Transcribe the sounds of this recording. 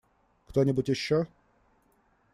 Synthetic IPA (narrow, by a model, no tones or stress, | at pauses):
kt̪onʲɪbʊtʲjɪɕːo